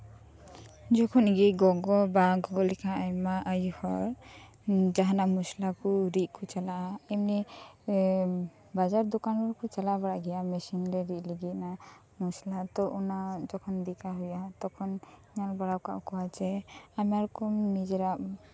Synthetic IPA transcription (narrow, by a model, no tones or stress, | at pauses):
d͡ʒɔkʰɔnɡiɡɔɡɔbaɡɔɡɔlɛkʰaajmaʔajuhɔɾ | d͡ʒaɦanamuslakuɾiʔkʰɔt͡ʃalaʔaimni | bad͡ʒaɾd̪ɔkanɔɾkɔt͡ʃalabaɽaʔɡɛjamɛsinɾɛɾiʔliɡit̪na | muslat̪ɔʔunad͡ʒɔkʰɔnd̪ikaɦujat̪ɔkʰɔniɲalbaɽawka̰ʔkɔwat͡ʃɛamaɾɔkɔmid͡ʒɛɾaʔ